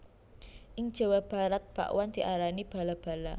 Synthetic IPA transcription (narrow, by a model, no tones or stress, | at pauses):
ʔɪŋ̥ʒ̥a̤wab̥a̤ɾat̪̚b̥a̰ʔwand̪̥i̤ʔaɾanib̥a̤lab̥a̤la